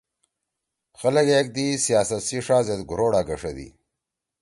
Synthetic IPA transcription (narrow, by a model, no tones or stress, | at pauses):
xɐlɐkeːk̚d̪isijaːsɐt̪siʂaːzet̪ɡʊɾoːɽaːɡɐʂɐd̪ḭ